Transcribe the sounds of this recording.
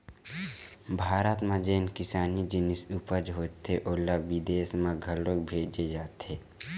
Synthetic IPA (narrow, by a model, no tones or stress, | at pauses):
bʱaːɾət̪mãd͡ʒeːnkɪsaːnid͡ʒɪnɪsupəd͡ʒɦoːt̪ːeʔoːlːaʋid̪eːsmãɡʱəlok̚bʱeːd͡ʒed͡ʒaːt̪eː